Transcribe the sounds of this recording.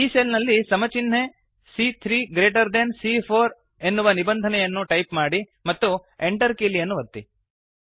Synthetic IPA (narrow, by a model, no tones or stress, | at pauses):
iːseːlnɐlːisɐmɐt͡ʃinɦe | siːt̪ʰɾiːɡɾeːʈ̬ɐɾd̪ensipʰoːɾ | e̞nːuʋɐnibɐnd̪ʱɐnɛjɐnːuʈɐjpmaːɽi | mɐt̪ːueɳʈɐɾkiːlijɐnːuʋɐt̪ːḭ